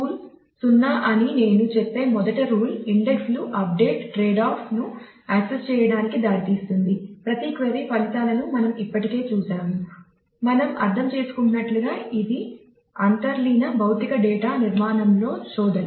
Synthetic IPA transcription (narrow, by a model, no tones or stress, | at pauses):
uːl | sunːaːʔɐnine̞ːnut͡ʃepːe̞ːmɔd̪ɐʈɐɾuːliɳɖeksluʔɐp̚ɖe̞ːʈːɾeːɖaːpnu | aksest͡ʃɛːjɐɽaːnikid̪aːɽit̪iːst̪und̪ipɾɐt̪iːkʋɐɾipɐlit̪aːlɐnumɐnɐmipːɐʈike̞ːt͡ʃuːsaːmu | mɐnɐmɐ̰ɾt̪ʰɐmt͡ʃe̞ːsu̥kunːɐʈluɡaːʔid̪i | ɐnt̪ɐɾliːnɐbʱɐwt̪ikɐɖɛːʈaːniɾmaːnɐmlo̞ːt͡ʃɔːd̪ɐnu